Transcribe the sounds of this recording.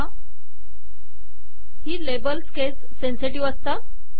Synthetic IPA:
a | hiːlebəlskesːenseʈiʋəst̪a

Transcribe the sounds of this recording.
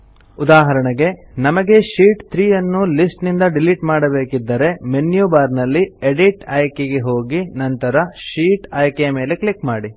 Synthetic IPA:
ud̪aːɦɐɾɐɳɐɡe̞nɐmɐɡe̞ʃiːʈt̪ʰɾiːjɐnːulisʈnind̪ɐɖiliʈmaːɽɐbe̞ːkid̪ːɐɾe̞menjubaːɾnɐlːieɖiʈɐːjkeɡe̞ɦo̞ːɡinɐnt̪ɐɾɐʃiːʈɐːjkejɐme̞ːle̞klikmaːɽi

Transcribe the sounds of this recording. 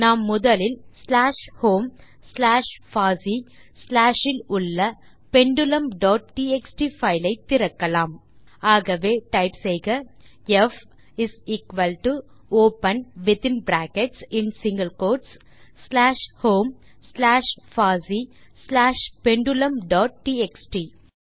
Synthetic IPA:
naːmːʊðɐlɪlslaːʂhoːm | slaːʂfaːsislaːʂɪlʊɭːɐ | pɛɳɖɯlɐmɖɔːʈ̚ʈiːɛksʈiːfɐɪlɐɪt̪ːɪɾɐkːɐlaːm | aːɣɐʋeːʈɐɪpsɛjɣɐ | ɛf | ɪsiːkʋɐlʈu | oːpɐnʋɪt̪ɪ̃nbɾæːkɛʈsɪ̃nsɪ̃ŋɡɐlkoːʈsː | laːʃhoːm | slaːʂfaːzislaːʂpɛɳɖʊlɐmɖɔːʈ̚ʈiːeksʈiː

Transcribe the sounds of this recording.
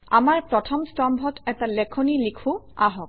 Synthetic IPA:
a̰maɹpɹɔtʰɔmstɔmbʱɔtɛtalɛkʰonilikʰʊaɦɔk

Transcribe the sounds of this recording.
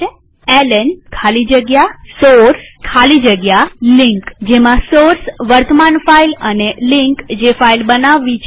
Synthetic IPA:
elenkʰalid͡ʒəɡjasoɾskʰalid͡ʒəɡjalɪ̃ŋkd͡ʒemãsoɾsʋəɾt̪əmanfailənelɪ̃ŋkd͡ʒefailbənaʋːit͡ʃ

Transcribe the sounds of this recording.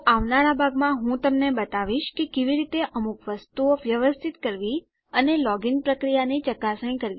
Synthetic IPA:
aʋnaɾabʱaɡmãɦũt̪əmnebət̪aʋiʃkekeʋiɾit̪eʔəmukʰʋəst̪uoʋjəʋəst̪ʰit̪kəɾʋi | ənelɔɡinpɾəkɾijanit͡ʃəkasəñkəɾʋi

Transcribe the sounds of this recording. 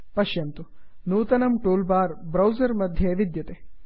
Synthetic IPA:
pɐʃjɐnt̪unuːt̪ɐnɐmʈuːlbaːɾbɾɐwzɐɾmɐd̪ʱjeːʋid̪jɐt̪e

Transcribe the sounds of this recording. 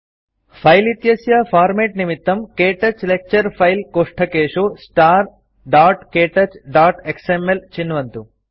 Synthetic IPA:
pʰɐjlit̪jɐsjɐpʰaːɾmeːʈnimit̪ːɐmkeːʈɐt͡ʃlek̚t͡ʃɐɾpʰɐjlkoːʂʈʰɐkeːʂosʈaːɾ | ɖaːʈkeːʈɐt͡ʃɖaːʈeksemelt͡ʃinːʋɐnt̪u

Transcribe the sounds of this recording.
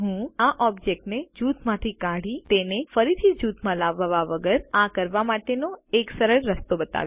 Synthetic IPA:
ɦũaʔɔbd͡ʒek̚ʈned͡ʒut̪ʰmãt̪ʰikaɽit̪enefəɾit̪ʰid͡ʒut̪ʰmãlaʋʋaʋəɡəɾakəɾʋamaʈenoeksəɾəɾːəst̪obət̪a̰ʋ

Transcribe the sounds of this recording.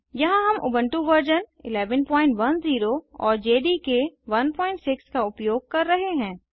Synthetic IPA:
jɐɦãɦɐmʔʊbə̃ɳʈuʋəɾd͡ʒənɪ̰lɛːʋənpɔ̃ːɪ̃ɳʈʋɐnziːɾoɔ̰ːɾd͡ʒeːɖikeʋɐnpɔ̃ːɪ̃ɳʈsɪkskaʊpjoːɡ̚kɐɾːɐɦeɦɛ̃ː

